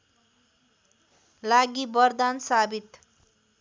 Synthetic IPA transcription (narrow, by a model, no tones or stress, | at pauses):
laɡibʌrd̪ansabit̪